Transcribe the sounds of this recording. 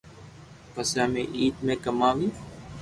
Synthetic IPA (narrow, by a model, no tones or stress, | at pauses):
pəsjaːmẽːʔiːt̪mẽːkəmaːʋiː